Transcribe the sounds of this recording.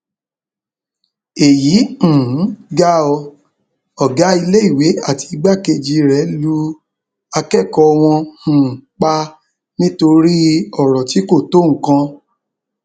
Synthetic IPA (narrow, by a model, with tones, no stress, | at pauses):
e˨jĩ˨˦˨ɡa˦ɔ˧ | ɔ˦˨ɡa˨˦i˧le˦i˦˨we˨˦a˦˨ti˧ɡ͡ba˦˨ke˧d͡ʒi˧ɾɛ˨˦lu˦ | a˧kɛ˦˨kɔ˧w̃ɔ̃˧hũ˨k͡pa˧ | nĩ˦to˧ɾi˦ɔ˦˨ɾɔ˨ti˨˦ko˦˨to˨˦˨ŋ̩˨kã˧